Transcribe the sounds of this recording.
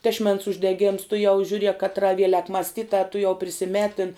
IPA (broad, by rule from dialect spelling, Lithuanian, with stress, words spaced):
tʲɛʃʲˈmʲɛns ʊʒʲdʲɛˈɡʲeːms tʊˈjɛʊ ʒʲuːˈrʲiɛk kɐtˈrɐ ˈʋʲiɛlʲɛk mɐsʲˈtʲɪtɑː tʊˈjɛʊ pʲrʲɪsʲɪˈmʲæːtʲɪn